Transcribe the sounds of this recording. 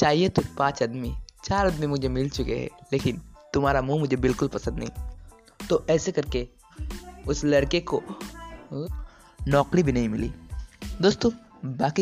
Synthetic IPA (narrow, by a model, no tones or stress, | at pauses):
t͡ʃaːɦiet̪opãːt͡ʃɐd̪mit͡ʃaːɾɐd̪mimʊd͡ʒʱemɪlt͡ʃʊkḛɦɛ̰leːkɪnt̪ʊmaːɾamũmʊd͡ʒʱebɪlkʊlpɐsə̃nd̪nɐ̰ɦḭ̃ː | t̪oʔɛːsekɐɾke | ʊslɐɽkeko | nɔːkɾibʱinɐɦĩmɪlḭːd̪oːst̪õː | baːki